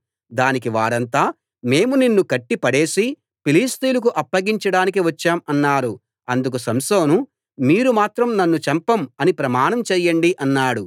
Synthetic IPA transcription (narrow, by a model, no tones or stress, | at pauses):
d̪aːnikiʋaːɾɐnt̪aː | me̞ːmuninːukɐʈːipɐɽe̞ːsi | piliːst̪iːlɐk̬uʔɐpːɐɡiɲt͡ʃɐɽaːnik̬iʋɐt͡ʃːaːmɐnːaːɾu | ɐnd̪uk̬usɐmsoːnu | miːɾumaːt̪ɾɐmnɐnːut͡ʃɐmpɐmɐnipɾɐmaːɳɐmt͡ʃɛːjːɐɳɖiʔɐnːaːɽu